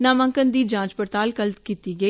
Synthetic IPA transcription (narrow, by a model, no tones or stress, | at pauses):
naːmə̃ŋkənd̪iːd͡ʒãːt͡ʃpəɾt̪aːlkəlt̪kiːt̪iːɡəi